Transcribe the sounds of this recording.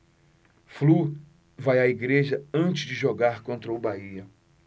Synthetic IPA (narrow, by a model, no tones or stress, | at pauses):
flu | vajaiɡɾeʒɐɐ̃nt͡ʃɪzd͡ʒɪʒoɡaɾkõnt̪ɾɐʊbaiɐ